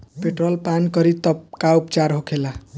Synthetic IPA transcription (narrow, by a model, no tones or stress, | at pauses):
peʈrʌlpankʌɾit̪ʌp̚kaupt͡saɾɦokʰela